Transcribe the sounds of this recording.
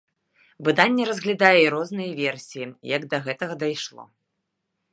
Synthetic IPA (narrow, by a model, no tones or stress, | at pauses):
vɨd̪anʲːɛɾɐzɣlʲad̪ajɛiɾɔznɨjɐvʲɛrsʲijijɐɡd̪ɐɣɛt̪ɐɣɐd̪ajʂlˠɔ̰